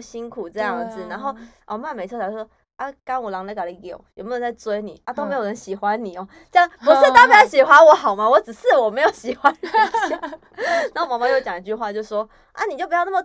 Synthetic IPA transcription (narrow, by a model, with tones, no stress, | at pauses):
ɕi˦ŋkʰu˨˩ʈ͡ʂɤ˥˧jɑ˥˩ŋ˨˩d͡zɹ̩˨˩na˧˦nxo˥˩ʊʔɔ˨˩˦ma˥˩nme˨˩ɪ˥˩˧jo˥˩wɔ˦˥ | ʔa˥˦ka˦nwɔ˨˩lɑ˧˦ŋle˧˥ka˨˩li˨˦jo˨˩ʊjm˨˥˧ə˧˦t͡sa˥˩ɪt͡swe˥ɪni˨˩ʔa˦t̪o˥ʊme˧˥jo˨˩ə˧˦nɕi˨˩xwa˦nni˨˩ɔ˨˦ | t͡ɕjɑ˥ŋpu˨˦ʂ̩˥˩t̪a˥˩pjɕi˨˩xwa˦nwɔ˨˧˥xɑ˨˩ʊma˨˦wɔ˧˦t͡sɹ̩˨˩ʂɹ̩˥˩wɔ˨˩me˧˥ɪjo˨˧˦ʊɕi˨˩xwa˦n˨˥˨ | na˨˦ho˥˩mɑ˧˥ŋm˧˦jo˥˧ʊt͡ɕjɑ˨ŋi˧t͡ɕy˥˧xwa˥˧t͡ɕjo˥˧˦ʂwɔ˦ | ʔa̰˦ni˨˩t͡ɕo˥˩pu˧jɑ˥˧na˥˩ə˨˩